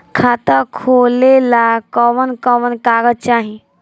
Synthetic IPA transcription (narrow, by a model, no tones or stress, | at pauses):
kʰaːt̪əkʰoːlelakɔʋənkɔʋənkaːɡəd̪̚t͡ʃaːɦĩ